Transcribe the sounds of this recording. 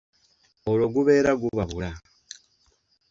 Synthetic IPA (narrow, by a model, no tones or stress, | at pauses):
oloɡuβe̞ːɾaɡuβaβula